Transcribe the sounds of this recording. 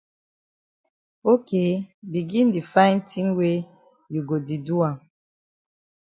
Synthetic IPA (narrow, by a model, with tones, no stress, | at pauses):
o˦ke˦bi˨ɡi˦ndi˨fa˦ɪ˦ntʰi˦ŋwe˦ | ju˨ɡo˨di˨du˦a˨